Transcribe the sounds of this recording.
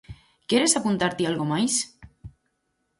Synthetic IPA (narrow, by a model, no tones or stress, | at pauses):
kjeɾesapunt̪aɾt̪ealɣomajs